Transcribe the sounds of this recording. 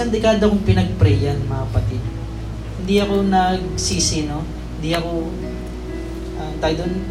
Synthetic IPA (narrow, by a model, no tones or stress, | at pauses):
ɐnd̪ɛkaːd̪okoŋpɪnɐɡ̚pɾɛjɐnmɐkɐpɐt̪ɪd̪̚ | hɪnd̪iɐko̞nɐɡsiːsɪno̞ | hɪnd̪iɐko̞ | ʔɐt̪aːɡd̪on